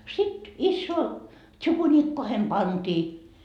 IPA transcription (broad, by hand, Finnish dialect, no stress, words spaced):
sit isːoː tʃukuniːkːohem pɑntiː